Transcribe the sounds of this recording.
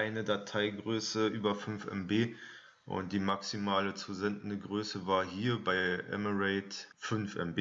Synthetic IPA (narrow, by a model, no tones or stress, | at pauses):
aɪnədatʰaɪɡʁøːsəʔyːbɐfʏnfʔɛ̰mbeː | ʔʊ̰nt̚d̥iːmaksimaːlət͡suzɛndn̩dəɡʁøːsəvaːɐɦiːɐbaɪʔɛ̰məʁɛɪtfʏnfʔɛ̰mbeː